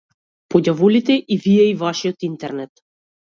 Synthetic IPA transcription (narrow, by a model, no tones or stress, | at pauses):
pɔɟʲavɔlit̪ɛʔivijɛivaʃiɔt̪int̪ɛɾnɛt̪